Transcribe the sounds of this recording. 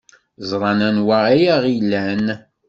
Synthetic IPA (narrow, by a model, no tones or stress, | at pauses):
zˤɾˤɑnænwaæjæʁilːæn